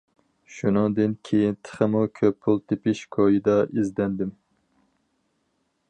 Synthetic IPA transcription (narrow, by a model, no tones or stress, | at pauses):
ʃunɨŋd̪ɨnkʲʰejint̪ʰə̥χəmukʲʰøpʰːulˠt̪ʰepɪʃkʰojid̪ɑʔizd̪ɛnd̪ɪm